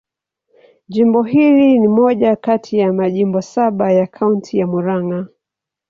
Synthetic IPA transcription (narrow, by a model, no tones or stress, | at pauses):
ʄimbɔɦilinimɔʄakatʰijamaʄimbɔsaɓajakʰauntʰijamuɾaŋa